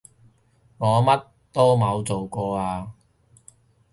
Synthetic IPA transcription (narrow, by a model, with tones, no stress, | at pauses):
ŋɔː˨˧mɐ˥t | t̪ɔː˥mɐ˨˧wt͡so˨wkɔː˧aː˧